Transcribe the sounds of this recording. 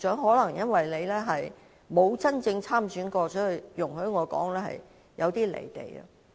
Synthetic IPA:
t͡ʃœː˨˥ŋɦɔː˨˥lɐ˨˩ŋjɐ˥nwɐ˨jle˨˧jlɛː˥ɦɐ˨j | mo˨˧wt͡sɐ˥nt͡sɪ˧ŋt͡sʰaː˥˩msyː˨˥nkɔː˧t͡ʃʰɵ˨˥hɵ˨˧jʊ˨˩ŋɦɵ˨˥ŋɔː˨˧kɔ̰ː˨˥ŋlɛː˥hɐ̰˨j | jʔɐ˨˧wt̪iː˥lḛ˨˩jt̪ḛ˨˩jɐ̰˧

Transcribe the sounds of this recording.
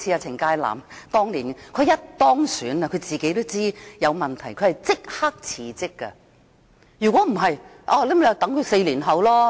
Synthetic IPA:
t͡sʰi˧a˧t͡sʰɪ˨˩ŋkaː˧jla̰ː˨˩mt̪ɔː˥ŋliː˨˩nkʰɵ˧ɥjɐ˥t̚t̪ɔː˥ŋsyː˨˥nɐ˧kʰɵ˨˧ɥt͡siː˨ke˨˥jt̪o˥wt͡siː˥jɐ˨˧wmɐ˨˩nt̪ʰɐ˨˩jkʰɥhɐ˨jt͡sɪ˥k̚ha˥k̚t͡sʰiː˨˩t͡sɪ˥kːɐ̰˧ | jyː˨˩kʷɔː˨˥m̩˨˩ɦɐ˨j | ʔaː˧le˥m˨˧ɐ˨˧t̪ɐ˨˥ŋkʰɵ˨˧ɥse˧jliː˨˩nɦɐ˨˧˥wlɔː˥

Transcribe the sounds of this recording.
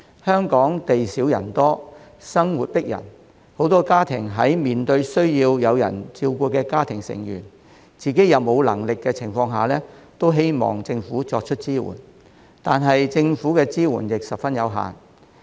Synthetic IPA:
hœː˥ŋkɔː˨˥ŋt̪e˨jsiː˨˥wjɐ̰˨˩nt̪ɔː˥sɐ˥ŋwu˨t̚pɪ˥k̚jɐ̰˨˩n | ho˨˥wt̪ɔː˥kaː˥t̪ʰɪ˨˩ŋɦɐ̰˨˥jmiː˨nt̪ɵ˧ɥsɵ˥ɥjiː˧wjɐ˨˧wjɐ̰˨˩nt͡siː˧wkuː˧kɛː˧kaː˥t̪ʰɪ˨˩ŋsɪ̰˨˩ŋjy̰ː˨˩n | t͡siː˨ke˨˥jɐ˨˧wmo˨˧wlɐ˨˩ŋlɪ˨kːɛː˧t͡sʰɪ˨˩ŋfɔː˧ŋɦaː˨˩lɛː˥t̪o˥wɦe˥jmɔ̰ː˨ŋt͡sɪ˧ŋfuː˨˥t͡sɔː˧k̚t͡ʃʰɵ˥t̚t͡siː˥wṵː˨˩n | t̪aː˨nɦɐ˨jt͡sɪ˧ŋfuː˨˥kɛː˧t͡siː˥wṵː˨˩njɪ˨k̚sɐ˨pfɐ˥njɐ˨˧wɦa̰ː˨˩n

